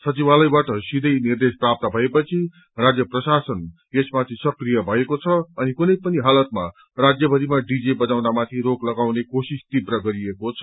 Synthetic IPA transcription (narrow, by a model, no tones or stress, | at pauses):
sʌt͡sibalʌjbaʈʌsid̪ʱʌjnird̪esprap̚t̪ʌbʱʌepʌt͡sʰi | rad͡zjʌprʌsasʌn | esmat̪ʰisʌkrijʌbʱʌekot͡sʰʌːnikunʌjpʌniɦalʌt̪̚ma | rad͡zjʌbʱʌɾimaɖid͡zibʌnawnamat̪ʰiɾoɡlʌɡawnekosist̪ibrʌɡʌɾiekot͡sʰʌ